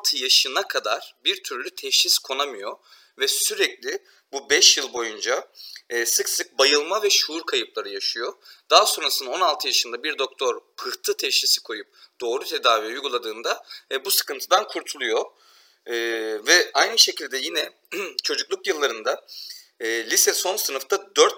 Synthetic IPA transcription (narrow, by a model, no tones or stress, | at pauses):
lˠt̪ʰɯjaʃɯnakʰad̪aɾ̥biɾt̪ʰyɾlʲyt̪ʰɛʃiskʰo̞namɯjo̞ | vɛsyɾɛclʲɪ | bubɛʃjɯlˠbo̞jund͡ʒaː | sɯksɯk̚bajɯlˠmavɛʃuːɾkʰajɯp̚lˠaɾɯjaʃɯjo̞d̪̥aɦso̞nɾasɯnd̪ao̞nalˠt̪ʰɯjaʃɯnd̪abiɾd̪o̞k̚t̪ʰo̞ɾpʰɯht̪ʰɯt̪ʰɛʃisi̥kʰo̞jup̚d̪̥o̞ːɾut̪ʰe̞d̪aːvijajuɡulˠad̪ɯːnd̪aɛbusɯ̥kɯnt̪ʰɯd̪ankʰuɾt̪ʰulˠujo̞ | vɛajnɯʃe̞cʰilʲd̪ɛjinɛ | t͡ʃʰo̞d͡ʒuklˠukjɯlˠːaɾɯnd̪aː | lʲisɛso̞nsɯnɯft̪ʰad̪øɾt̪